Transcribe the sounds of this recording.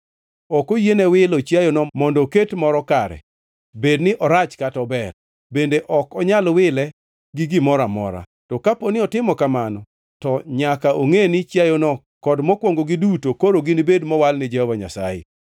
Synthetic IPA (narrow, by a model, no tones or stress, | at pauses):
ɔkojenewɪlɔt͡ʃjajonɔmɔndɔketmɔɾɔkaɾɛ̰ | bednɪʔɔɾat͡ʃkatɔbɛr | bendeʔɔkɔɲalwɪlɛ | ɡɪɡɪmɔɾamɔ̰ɾa̰ | tɔkaponɪɔtɪmɔkamanɔ | tɔɲakaʔoŋenɪt͡ʃjajonɔ | kɔdmɔkwoŋɡoɡidutokoɾoɡɪnibedmɔwalnɪd͡ʒahɔvaɲa̰sa̰jɪ̰